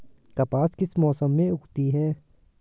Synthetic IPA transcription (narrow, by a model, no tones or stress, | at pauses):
kɐpaːskɪsmɔːsəmːẽʊkt̪iɦɛː